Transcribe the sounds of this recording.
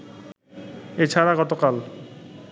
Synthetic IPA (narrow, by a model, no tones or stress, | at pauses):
et͡ɕʰaɾaɡɔt̪okal